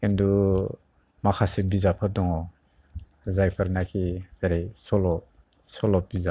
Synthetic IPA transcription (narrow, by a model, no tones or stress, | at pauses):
kindu | makʰasebizapʰadɔŋɔ | zajpʰaɾnakʰiz̥aɾejsɔlɔ | sɔlɔp̚biza